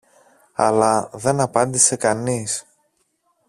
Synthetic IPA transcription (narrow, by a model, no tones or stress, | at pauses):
ɐ̰lɐðe̞nɐpɐnd̪ise̞kɐnis